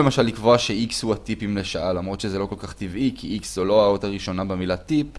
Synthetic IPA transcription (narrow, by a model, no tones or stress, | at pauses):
lemaʃalːikvoaʃeikshuat̪ipimleʃaʔalamʁo̞t̪ʃezelo̞ko̞lkaχt̪ivikʰiikszulo̞aotaʁiʃo̞nabemilat̪ip